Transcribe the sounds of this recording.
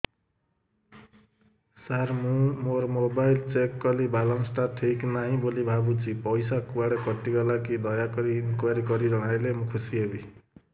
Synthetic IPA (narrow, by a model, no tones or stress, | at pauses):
sarmumormobajlt͡sekːʌlibʱalʌmsʈaʈʰeknaɦĩbolibʱabut͡sipʌjsakbaɽʌkʌt̪ːiɡʌlakid̪ʌjakʌɾinkwaɾikʌɾiɾʌɽ̃ajlemũkʰusiebi